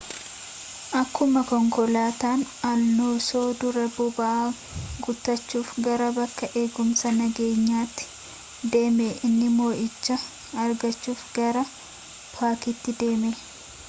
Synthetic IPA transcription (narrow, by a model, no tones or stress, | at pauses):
ʔɐkːʊmɐkɔŋkɔlaːt̪aːnɐlnoːso̞ːd̪ʊɾɐbʊbɐʔaː | ɡʊt̪ːɐt͡ʃːuːfɡɐɾɐbɐkːɐʔe̞ːɡʊmsɐnɐɡe̞ːɲːaːt̪ːɪ̥ | d̪e̞ːmeʔɪnːɪmo̞ːʔɪt͡ʃːɐ | ɐɾɡɐt͡ʃːuːfɡɐɾɐ | pʰaːkɪt̪ːɪd̪e̞ːme